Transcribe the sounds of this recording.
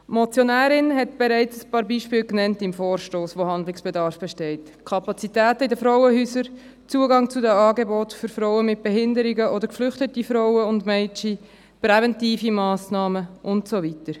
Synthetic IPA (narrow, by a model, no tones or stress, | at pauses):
mɔt͡sjonæːɾɪnɦɛtb̥eɾɛɪt͡səspɑːɾbiːʃpɪːlknɛntɪmfoːɾʃtoːsʋohɑndlɪksb̥edɑɾfb̥ɛʃtɛɪt | kʰɑpɑt͡sitæːtəidəfɾɔwəhyːsəɾ | t͡suəɡɑŋt͡sʊdɛɑːɡebɔtføɾfɾɔʊəmɪt̚b̥ɛhɪndəɾɪɡəʔodəɾkflʏχtətifɾɔʊwəʊndmɛt͡ʃi | pɾɛvɛntiːfimɑːsnɑːməʔʊntsovitəɾ